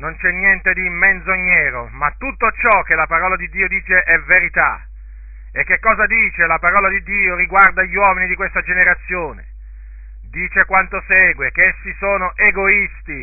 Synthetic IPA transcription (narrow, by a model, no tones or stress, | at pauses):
nont͡ʃɛnːjɛnt̪ed̪imːenzoɲːɛːɾomat̪ːut̪ːot͡ʃɔk̟ːelapaɾɔːlad̪id̪ːiːod̪iːt͡ʃeʔɛveɾit̪a̰ | ekːekːɔːzad̪iːt͡ʃelapaɾɔːlad̪id̪ːiːoriɡward̪aʎːwɔːminid̪ikwest̪ad͡ʒeneɾat̪sːjoːnḛ | d̪iːt͡ʃekwant̪osɛːɡwek̟eesːisoːnoʔeɡoist̪i